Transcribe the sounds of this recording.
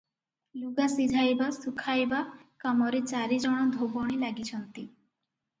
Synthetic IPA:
luɡasid̪ʱajbasukʰajbakamɔɾet͡ʃaɾid͡ʒɔɽ̃ɔd̪ʱobɔɽ̃ilaɡit͡ʃʰɔnt̪i

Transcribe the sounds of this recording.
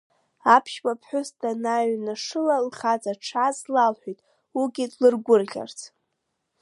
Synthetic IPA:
apʰʃbapʰħʷᶣʊstʰʼanaɥnaʂɨlalχat͡sʼaʈ͡ʂʰazlalħʷᶣitʼ | uɡʲidlɨrɡʷʊrɮʲa̰rt͡sʰ

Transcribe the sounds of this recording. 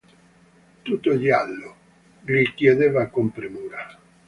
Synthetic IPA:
t̪ut̪oʎjalːo | ʎikjed̪evakompɾimuːɾa

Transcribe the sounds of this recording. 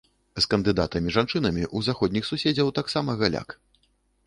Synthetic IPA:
skɐnd̪ɨd̪at̪ɐmʲiʐant͡ʂɨnɐmʲiʔuzaxɔd̪ʲnʲixsusʲed͡zʲɐwt̪aksamɐɣalʲa̰k

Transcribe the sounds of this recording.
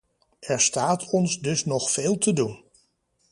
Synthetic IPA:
ɛɹstaːtʰɔnsdɵsnɔχfeːlˠtədun

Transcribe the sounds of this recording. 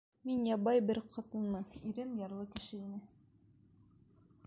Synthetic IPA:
minjɑbɑjbɘɾqʰɑt̪ɤ̆nmɤniɾɘmjɑɾlˠɤkɘ̆ʃɘinɘ

